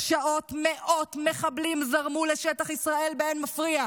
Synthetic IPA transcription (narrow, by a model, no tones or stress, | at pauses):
ʃaʔo̞tmeʔo̞tme̞χablimzaʁmuleʃetaχisʁae̞lbeenmafʁia